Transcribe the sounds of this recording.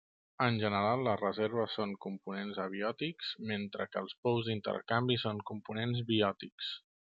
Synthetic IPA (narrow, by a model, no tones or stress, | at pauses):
ənʲʒənəɾalˠːəzrəzɛɾβ̞əsːoŋkumpunenzəβ̞iɔt̪ikzment̪ɾəkəːlˠspɔwzd̪int̪ə̰ɾkambisoŋkumpunenzβiɔt̪iks